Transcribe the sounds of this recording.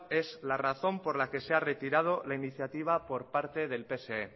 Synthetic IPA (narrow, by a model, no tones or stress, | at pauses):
e̞zlaraθo̞mpo̞ɾlake̞seare̞t̪iɾað̞o̞lainiθjat̪iβ̞apo̞ɾpaɾt̪e̞ðe̞lpe̞see